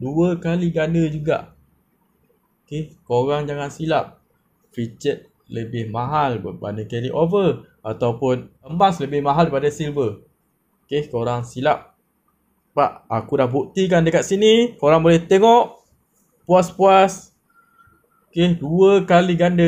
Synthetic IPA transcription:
duəkaliɡandəd͡ʒuɡa̰ʔ | kɪhkoɾaŋd͡ʒaŋansilap̚ | fɾit͡ʃɛt̪̚ | ləbɪhmaɦalbəba̰ndəkɛliʔovə | at̪awpʊnəmbasləbɪhmaɦalɾipadasilbə | kehkoɾaŋsilap̚ | paʔakudahbukt̪ik̬andəkat̪̚sinikoɾaŋbolɛht̪eŋɔʔ | puaspuas | kehduəkaliɡandə

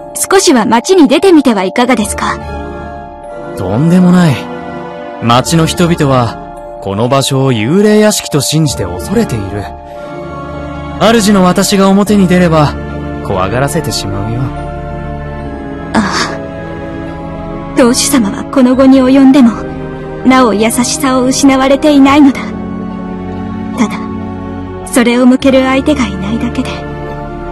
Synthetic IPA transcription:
sɨ̥ko̞ɕiβamat͡ɕiɲ̟id̪e̞t̪e̞mʲit̪e̞βaikaɡad̪e̞sɨ̥ka | d̪̥õ̞̰nd̪e̞mo̞nai | mat͡ɕino̞çi̥t̪o̞bʲit̪o̞β̞a | ko̞no̞baɕo̞ːjɯːɾe̞ːjaɕi̥kʲi̥t̪o̞ɕĩɲ̟d͡ʑi̥t̪e̞̰o̞̰so̞ɾe̞t̪e̞iɾɯ̟ | aɾɯ̟ʑino̞βat̪aɕiɡao̞mo̞t̪e̞ɲ̟id̪e̞ɾe̞ba | kʰo̞̰a̰ɡaɾase̞t̪e̞ɕima̰ɯ̟jo | aː | d̪̥o̞ːɕi̥samaβa̰ko̞no̞ɡo̞ɲ̟io̞jõ̞nd̪e̞mo̞ | nao̞jasaɕi̥sao̞ɯ̟ɕinaβaɾe̞t̪e̞inaino̞d̪a | t̪ad̪a | so̞ɾe̞o̞mɯ̟ke̞ɾɯ̟ait̪e̞ɡainaid̪ake̞d̪e̞

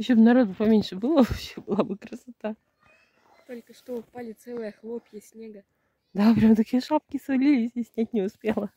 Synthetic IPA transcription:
jɪɕʲːobnɐɾo̞d̪̚bɨpɐmʲenʲʂɨbɨlˠəvɐpɕebɨlˠabɨkɾəsɐt̪a | t̪o̞lʲkəʂt̪ofpalʲɪt̪sɛlˠɨjəxlˠopjəsʲnʲeɡə | d̪apɾʲamt̪ɐkʲijəʂap̚kʲɪsvɐlʲilʲɪsʲsʲnʲætʲnʲɪʊspʲelˠə

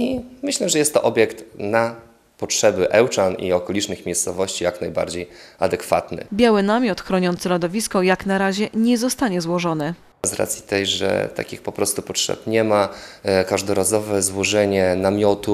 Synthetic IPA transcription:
imɘɕlɛʐɛjɛst̪ːɔʔɔbʲjɛkt̪na | pɔtʂɛbɘʔɛwt͡ʂanḭɔkɔlʲit͡ʂnɘxmʲejst̪sɔvɔɕt͡ɕijaknajba̰ɾd͡ʑejad̪ɛkfa̰t̪nɘ̰bʲjawɘnamʲjɔt̪xɾɔɲɔnt̪sɘlɔd̪ɔvʲiskɔjaknaɾaʑɛɲɛzɔst̪aɲɛzwɔʐɔnɘ | zɾa̰t̪sʲji̥t̪ɛjʐɛ̰t̪a̰kʲixpɔpɾɔst̪upɔtʂɛ̰pɲɛmakaʐd̪ɔɾazɔvɛzwɔʐɛɲɛnamʲjɔt̪u

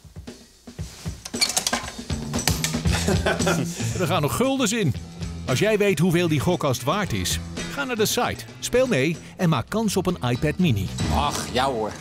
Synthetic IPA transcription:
dəɹχaːnɔχːɵlˠdəs̬ɪnɑlˠs̬jɛjʋejtɦuveːlˠdiχɔkɑstʋaːɹtɪ̰sχaːnaːɹdəsɑ̰jt | speːlˠmej | ɛnmaːkːɑnsɔpənaːjpɛtminḭɑχjawʊɹ

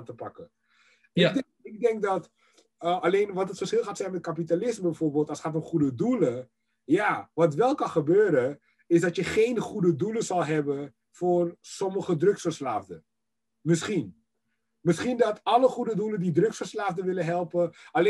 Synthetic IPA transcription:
ntəpɑ̰kə | ɪdɛ | ɪɡ̚dɛŋk̚dɑt | əʔɑlejnʋɑtɦətfərsχɪlˠχaːtsɛjnmɛt̚kap̬italɪsməbɛjfoːɹbɪːlˠtɑlsχaːtomχudədulə | jaːʋɑtʋɛlˠkɑnχəbøːɾə | ɪzdɑtjəχejnχudəduləzɑlˠɦɛbə | fʊːrsɔməχədrɵksfərslaːvdə | mɪsχin | mɪsχindɑtɑləχudəduləndidrɵksfərslaːvdəʋɪləɦɛlˠpəɑle

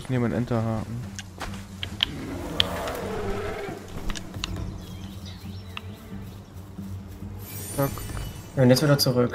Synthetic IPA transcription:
sneːmənʔɛ̰ntɐɦaːʔn̩ | akjaʊntjɛt͡stviːdɐt͡suʁʏk

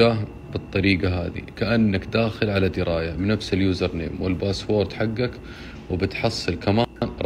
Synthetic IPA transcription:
aːh | bɨt̪ˤːɑɾiːɡaɦa̰ːðḭkaʔanːakd̪aːxɪlʕalad̪ɪɾʔaːjabɪnafsɪljuːzɑɾˤnḛːmwɪlbaːswoːɾˤd̪ħaɡːak | wɪbɪt̪ħɑsˤːɨlkamaˤ

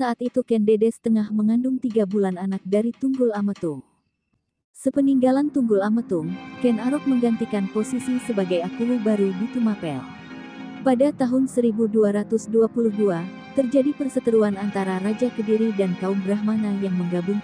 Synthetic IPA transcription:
saːt̪it̪ukɛndedɛsə̥t̪əŋahməŋandʊŋt̪iɡabulananak̚daɾit̪uŋɡʊlamət̪ʊŋ | səpəniŋɡalant̪uŋɡʊlamət̪ʊŋkɛnaɾɔk̚məŋɡant̪ikanposisisəbaɡajapulubaɾudit̪umapɛ̰l | padat̪aɦʊnsəɾibuduaɾat̪ʊsduapuluhdua | t̪ərd͡ʒadipərsət̪əɾuanant̪aɾaɾad͡ʒakədiɾidankaumbɾaɦmanajaŋməŋɡabuŋ

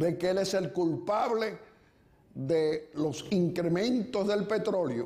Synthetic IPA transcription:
be̞keeleselkulpaβle̞ | ðelo̞siŋkɾemẽ̞nt̪ozðe̞lpe̞t̪ɾo̞ljo̰

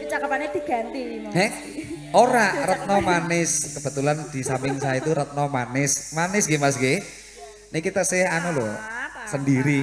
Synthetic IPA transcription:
pit͡ʃakəpaned̪̥i̤ɡ̥a̤nt̪ihɛ | ʔoɾarət̪̚nɔmanɪskəb̥ə̤t̪uland̪̥i̤sampɪŋsajait̪uɾət̪̚nɔmanɪsmanɪsɡɪmasɡe | nɪkit̪asɪhanulosəndiɾi

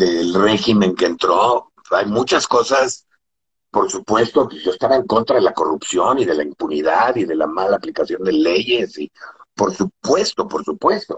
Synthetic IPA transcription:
d̪elre̞ximẽ̞ŋke̞ːnt̪ɾo̞ | ajmũt͡ʃasko̞sas | po̞ɾsupwe̞st̪okʒost̪aβaeŋko̞nt̪ɾaðe̞lako̞rupsjo̞niðe̞laimpuniðaðiðe̞la̰malaːplikasjo̞nd̪e̞le̞ʝe̞sipo̞ɾsupwe̞st̪o̞po̞ɾsupwe̞st̪o̞

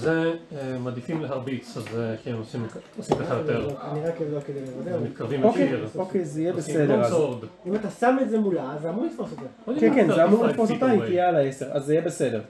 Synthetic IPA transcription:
zeemad̪ifimleɦaʁbit͡sazeʃiemosimosimk̪aajot̪eaniʁakevdokelimevod̪emit̪̚kaʁvimokeokejzijebessedeʁazoʁd̪imat̪asamezemulazamulifosot̪eokekeneamuʁliffosot̪aikijealaeseʁazeijebese̞de̞ʁ

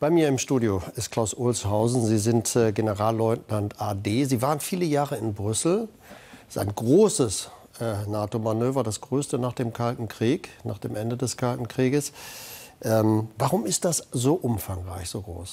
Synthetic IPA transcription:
b̥aɪmiːɐɪmʃtuːdjoɪstkʰl̥aʊsʔʊlshaʊzn̩ziːzɪntɛɡenəʁaːlːɔʏtnantʔaːdeːziːvaːʁənfiːləjaːʁəɪnbʁʏsl̩ | a̰ɪnɡʁoːsəs | ɛːnaːtomanøːvɐdasɡ̥ʁøːstənaːχd̥eːmkʰaltn̩kʁ̥iːkna̰ːχd̥eːmʔɛndədɛskʰaltn̩kʁ̥iːɡəs | ʔɛːmvaʁʊmɪst̚d̥aszoːʔʊmfaŋʁa̰ɪçz̥oːɡʁo̰ːs

